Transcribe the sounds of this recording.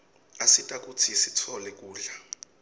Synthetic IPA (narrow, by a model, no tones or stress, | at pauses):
asitʼak̬ʼutʰisitʰɔlɛk̬ʼuːɮa